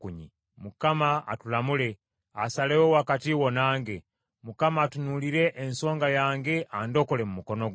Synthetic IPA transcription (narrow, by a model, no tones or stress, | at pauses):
kuɲi | mukamaa̰tulamule | a̰salewowakatiwonaːŋɡe | mukamaːtunuliɾe̞ʔːnso̞ːŋɡajaːŋɡeʔando̞kole̞mumuko̞noɡ